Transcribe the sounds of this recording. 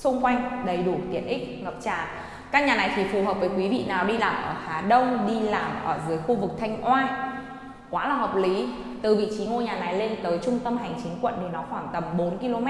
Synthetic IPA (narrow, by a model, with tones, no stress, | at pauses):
sʊ˧ŋ͡mkwa˧jŋ̟ɗə˨˧˩jɗu˧˩t̪ḭ˨˧˩ənʔï˦˥k̟̚ŋə˨˩p̚t͡ɕa̰ː˧˩˨ | kaː˦˥k̚ɲaː˨˩na˨˩jt̪ʰi˨˩fu˨˩ɦəː˨˩p̚vəː˨˦jkwi˨˦vḭ˧˨naː˨˩wɗi˧laː˨˩mʔəː˧˩haː˨˦ɗə˧wŋ͡mɗi˧laː˧˩mʔəː˧˩zɨ˨˦əjxu˧vɨ˨˩k̚t̪ʰa˧jŋ̟ʔwaː˧n | kwaː˨˦laː˨˩ɦəː˨˩p̚li˨˦ | t̪ɨ˨˩vḭ˧˨t͡ɕi˨˦ŋo˧jɲaː˨˩na˨˩jle˧nt̪əː˨˦jt͡ɕʊ˧ŋ͡mt̪ə˧mɦa˨˩jŋ̟t͡ɕï˨˦ŋ̟kwə̰˧˨nɗɨ˨˩nɔ˨˦xwaː˧˩ŋt̪ə˨˩mɓo˨˦nki˧lo˧mɛ˦˥